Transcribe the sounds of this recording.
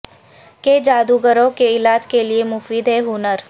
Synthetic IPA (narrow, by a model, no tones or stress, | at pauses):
ked͡ʒaːd̪uɡəɾõkeɪlaːd͡ʒkelɪemʊfiːd̪ɦɛɦʊnəɾ